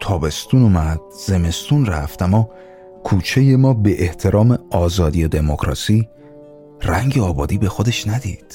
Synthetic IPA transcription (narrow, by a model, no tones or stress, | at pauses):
t̪ʰɒːbe̞st̪unumæd̪̥̚z̥e̞me̞st̪unræft̪æmːɒː | kʰuːt͡ʃʰe̞jemɒːbeʔeht̪ʰe̞ɾɒːmeɒːzɒːd̪ijed̪e̞mokʰɾɒ̰ːsiː | ræŋɟeɒːbɒːd̪iːbe̞xod̪e̞ʃnæd̪ḭːd̪̥